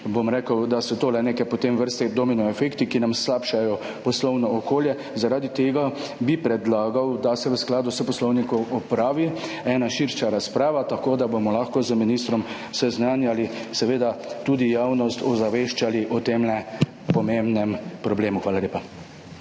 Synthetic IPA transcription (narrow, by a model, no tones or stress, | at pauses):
bomɾeːkəwd̪asɔt̪oːlɛneːkɛpɔt̪emʋəɾst̪ɛd̪ɔminɔɛfekt̪ikinamslaːpʃajɔ | pɔslɔwnɔɔkoːljɛ | zaɾaːd̪it̪eːɡabipɾɛd̪laːɡawd̪asɛʋəsklaːd̪usəpɔslɔwnikɔwʔɔpɾaːʋi | ɛːnaʃiɾʃaɾaspɾaːʋat̪akoːd̪abomɔlaxkɔzəminist̪ɾɔm | sɛznanjalisɛʋeːd̪at̪ud̪ijaːwnɔst̪ɔzaʋeːʃt͡ʃaliʔɔt̪emlɛ | pɔmembnɛmpɾɔbleːmuxʋaːlaleːpa